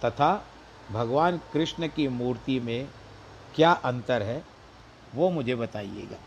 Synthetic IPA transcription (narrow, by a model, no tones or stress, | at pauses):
t̪ɐt̪ʰa | bʱɐɡʋaːnkɾɪʃnəkimuːɾt̪imẽ | kjaːʔɐ̃nt̪əɾɦɛ | ʋomʊd͡ʒʱebɐt̪aːḭḛːɡa̰ː